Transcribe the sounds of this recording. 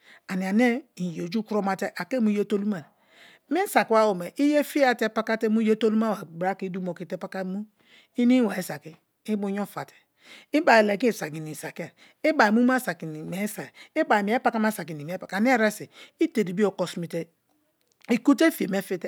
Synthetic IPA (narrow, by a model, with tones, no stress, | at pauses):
a˨ni˨a˨ne˦i˨jo˨d͡ʒu˦ku˦ɾo˦ma˦te˦ʔa˨ke˦mu˦je˦to˦lu˦ma˨ɾ | mi˦n˦sa˨kwa˦wo˨me˨ʔi˦je˦fi˦a˦˨te˦pa˦ka˦te˦mu˦je˦to˦lu˦ma˦wa˨bɾa˦ki˦du˦mo˨ki˨te˦pa˦ka˦mu˦ | i˦ni˦wa˨i˦sa˨ki˦ | i˦bu˦ɲ˦o˦fa˨te̥˨ | i˦ba˨i˨le˨ki˦˨sa˨ɡi˨ni˨sa˨ki˦a˨ | i˦ba˨i˨mu˦ma˦sa˨ki˨ni˨me˨˦sa˨i˦ba˨i˨˦e˦pa˦ka˦ma˦sa˨ki˨ni˨m˨e˦pa˨ka˨ne˦ɾe˦si˨i˦te˨di˨bi˦o˨ko˨smi˨te˦ | i˨ku˦te˦fi˨e˨me˦fi˦te˦